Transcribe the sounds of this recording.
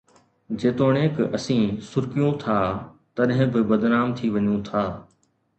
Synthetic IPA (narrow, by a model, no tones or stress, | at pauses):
d͡ʑeːt̪oːɽ̃eːkɐsĩːsʊɾkijũt̪ʰaːt̪ɐɗɦɪ̃bɪbɐd̪naːmt̪ʰiʋɐɲũːt̪ʰaː